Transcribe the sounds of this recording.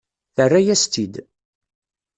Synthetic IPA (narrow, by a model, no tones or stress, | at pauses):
θərːæjæst̪id̪